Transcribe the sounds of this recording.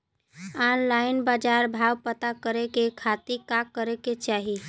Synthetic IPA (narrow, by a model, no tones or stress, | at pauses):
anlainbad͡ʒaɾbʱawpət̪akəɾekekʰat̪ikakːəɾeket͡ʃaɦi